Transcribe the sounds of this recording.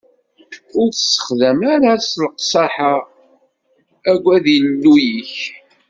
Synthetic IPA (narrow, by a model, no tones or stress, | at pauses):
ʊɾθsːə̥χðəmaɾaslqsˤɑħa | æɡʷːæðinnːujiç